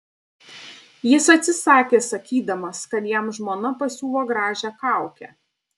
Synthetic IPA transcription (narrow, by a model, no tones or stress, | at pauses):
jɪsɐt̪ʲsʲɪsɑːkʲeːsɐkʲiːd̪ɐmɐskɐt̪jɛmʒmoːnɐpɐsʲuːlˠoːɡɾɑːʒʲɛkɑˑʊkʲɛ